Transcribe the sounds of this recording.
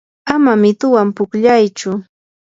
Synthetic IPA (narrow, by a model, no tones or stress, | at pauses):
amamɪt̪ʊwampʊkʎajt͡ʃʊ